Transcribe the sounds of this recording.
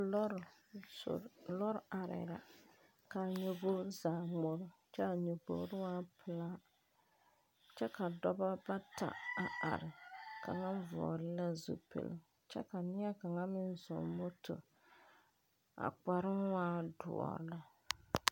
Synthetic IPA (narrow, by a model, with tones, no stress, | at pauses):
lɔ˦ɾa˨ɾɪ̰˨ɾa̰˨ | ka˨ɲo˨bo˦ɾzaː˨mo˦ɾʊ˦t͡ʃɛ˦a˨ɲo˨bo̰˨ɾɪ˦waː˦pʰɨ˨laː˦ | t͡ʃɛ˦ka˨dɔ˦ba˦ba˦ta̰˨a˨a̰˨ɾɪ˨ka˨ŋa˦ɱ˦vɔ̰˨ɾɪ˦la˦zṵ˨pḛ˨lɪ̰˦ | t͡ʃɛ̰˦ka˨nɪ˦a˦ka˨ŋa˦mɪ˦nzɔ̰˨mo˦tʊ̰˨ | a̰˨k͡pa˨ɾɪ˦nwaː˦dʊ̰˨ɔ̰˨la˦